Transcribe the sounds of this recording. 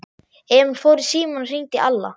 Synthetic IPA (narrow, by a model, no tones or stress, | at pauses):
ɛmnfoːwɾɪsiːmanr̥iɲt̪ɪʔalːa̰